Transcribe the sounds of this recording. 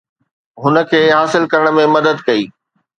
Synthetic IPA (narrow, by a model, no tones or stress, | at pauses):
ɦʊnə̆kʰeːɦaːsɪlkɐɾəɽ̃mẽmɐd̪əd̪kɐiː